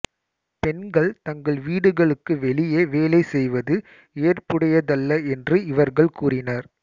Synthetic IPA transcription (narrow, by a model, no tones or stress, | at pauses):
pɛnɡɐɭt̪ɐŋɡɐɭʋiːɽɯɣɐɭɯkːɯʋɛɭɪjeːʋeːlɐɪsɛjʋɐðɯ | eːrpɯɽɐjɐðɐlːɐɛndrɯɪʋɐɾɣɐɭkuːrɪnɐɾ